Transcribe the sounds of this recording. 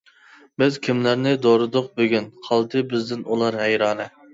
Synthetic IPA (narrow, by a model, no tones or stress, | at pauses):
bɪzkʲʰimlæɾnɪd̪oɾɨd̪ʊq̚bøɡʲynqʰɑlˠd̪ɨbɪzd̪ɪnulˠɑɾɦɛjɾɑːnɨ